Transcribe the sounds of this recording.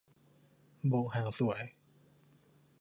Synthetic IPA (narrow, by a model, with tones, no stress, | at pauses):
bo˧˩˨haː˨˧˩ŋsu˨˩ə˦j